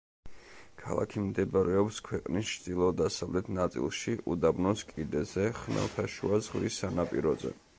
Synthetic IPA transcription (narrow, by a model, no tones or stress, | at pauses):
kʰa̰lˠa̰kʰimd̪ɛbɾɛɔpskʰwɛqʼnist͡ʃʰd̪ilˠɔd̪asavlɛt̪ʰnat̪sʼḭlˠʃiʔud̪abnɔskʼid̪ɛzɛχnɛ̰lˠt̪ʰaʃṵazʁvḭsːanapʼiɾɔzɛ̰